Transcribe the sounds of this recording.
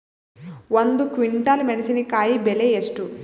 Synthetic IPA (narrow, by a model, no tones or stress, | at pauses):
ʋɐnd̪ukʋiɳʈaːlmenɐsinikaːjibeleesʈu